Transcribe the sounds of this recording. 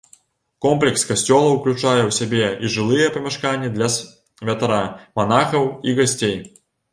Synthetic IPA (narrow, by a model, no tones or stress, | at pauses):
kɔmplʲɛkskasʲt͡sʲɔlˠɐwklʲut͡ʂajɛwsʲabʲɛiʐɨlˠɨjɛpɐmʲɛʂkanʲːid̪lʲɐ | vʲɐt̪aɾamanaxɐwiɣasʲt͡sʲej